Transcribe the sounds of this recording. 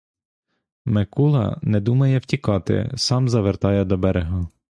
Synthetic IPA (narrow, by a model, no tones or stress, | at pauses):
mekulˠɐ̰nɛd̪umɐjɛwtʲikɑt̪ɪ̰sɑmzɐʋert̪ɑjɛd̪ɔbɛɾeɦɐ